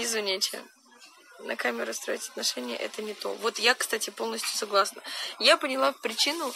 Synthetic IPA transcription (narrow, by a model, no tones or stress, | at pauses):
ɪzvʲɪnʲet͡ɕʲɪ̰ | nʔɐ̰kamʲɪɾʊst̪ɾo̰ɪtʲɐ̥t̪nɐʂɛnʲɪjə̰ʔɛ̰t̪ənʲɪt̪o̞̰vo̞t̪jakst̪atʲɪpo̞lˠnəsʲtʲjʊ̥sɐɡlˠasnəjapənʲɪlˠapɾʲɪt͡ɕinʊ